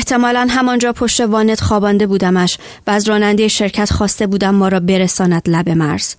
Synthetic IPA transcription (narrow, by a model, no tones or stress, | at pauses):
eht̪ʰe̞mɒːlænɦæmɒnd͡ʒɒːpʰo̞ʃt̪e̞vɒːne̞d̪̥χɒːbɒːnd̪e̞buːd̪æmæʃ | væːzɾɒːnænd̪ejeʃe̞ɾcʰæt̪χɒːst̪e̞buːd̪æmːɒːɾɒːbe̞ɾesɒːnæd̪̥læbe̞mæɾz̥